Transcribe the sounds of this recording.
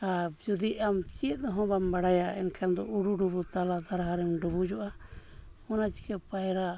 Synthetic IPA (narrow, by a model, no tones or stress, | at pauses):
ad͡ʒud̪iʔamt͡ʃiɛt̪̚d̪ɔɦɔ̃bambaɽajaɛnkʰand̪ɔuɽuɖubut̪alad̪aɾaɦaɾɛmɖubud͡ʒɔʔa | ɔnat͡ʃi̥kɛpajɾa